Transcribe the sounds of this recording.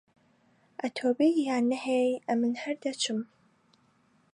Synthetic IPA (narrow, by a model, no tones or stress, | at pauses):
atʰoːbijaːnɨħejɐmɨnħɐrdɐt͡ʃʰɪm